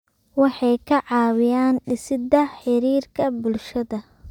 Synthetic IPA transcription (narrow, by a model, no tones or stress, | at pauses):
wɑħɑjkʰɐʕɑːwɪjaːnɖɪsɪd̪ɐħɪɾiːrkʰɐbʊlʃɐðɐ